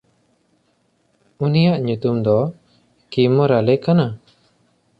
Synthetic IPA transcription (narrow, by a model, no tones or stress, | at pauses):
unijaʔɲut̪umd̪ɔ | kimɔɾalɛkana